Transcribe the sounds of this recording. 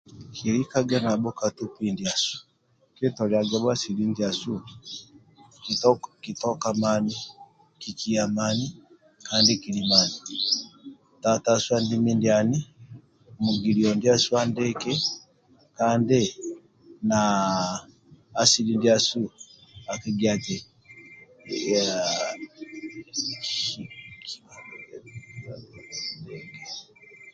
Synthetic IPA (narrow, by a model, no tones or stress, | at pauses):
kiɾikaɡanabɔkatupindiasu̥ | kɛtɔɾiaɡaβasilindiasu | kitɔkamani | kikiamani | kaːndikilimani | tataswandimindiani | muɡiliɔndiasuandɛkɛ | kandɛ | na | silindiasuakiɡiatɛ | a | i̥iki̥ | ndɛŋɡɛ